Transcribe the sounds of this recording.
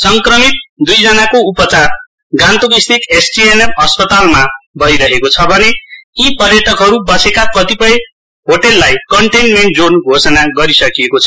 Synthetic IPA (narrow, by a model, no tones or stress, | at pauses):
sʌŋkrʌmit̪̚d̪ujd͡zʌnakoupʌt͡sar | ɡãnt̪oɡist̪ikesʈienepʌspʌt̪almabʱʌiɾʌɦekot͡sʰʌbʱʌneipʌrjʌt̪ʰʌkɦʌɾubʌsekakʌt̪ipʌj | ɦoʈelːajkʌɳʈenmeɳʈ̚d͡zonɡʱosʌnaɡʌɾisʌkijekot͡sʰʌ̥